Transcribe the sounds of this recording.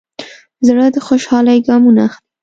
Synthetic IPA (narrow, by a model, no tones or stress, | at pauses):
zɽəd̪əxoʃhɑlajɡɑmunaxli